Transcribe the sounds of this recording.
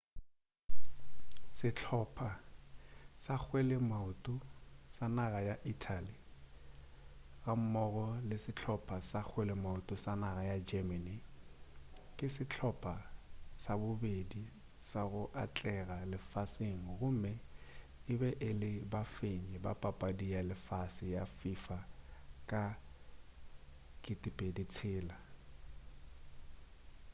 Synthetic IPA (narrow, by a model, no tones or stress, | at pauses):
sɪt͡ɬʰɔpʰa | sak͡xʰwelɪmaʊtʼʊsanaɣajaʔitʰali | ɣam̩mɔɣɔlɪsɪt͡ɬʰɔpʰasak͡xʰwelɪmaʊtʼʊsanaɣajad͡ʒɛmani | kʼɪsɪt͡ɬʰɔpʰʼasabʊbedi | saɣʊʔat͡ɬʼɛɣalɪfaseŋ̩ɣʊm̩mɛ | ɪbɛʔɪlɪbafeɲɛba̰pʼapʼadialɪfasɪjafifakʼa | kʼɪtʼɪpʼedit͡sʰɪːla